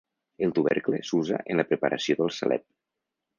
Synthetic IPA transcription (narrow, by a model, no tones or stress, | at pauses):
əlˠt̪uβɛɾklesuza̰ʔənləpɾəpəɾʔəsioðəlˠsəlʔɛ̰p̚